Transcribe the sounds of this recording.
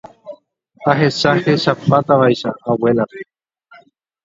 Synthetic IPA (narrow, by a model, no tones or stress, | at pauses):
aɦe̞ʃahe̞ʃapat̪aʋaiʃaːwelape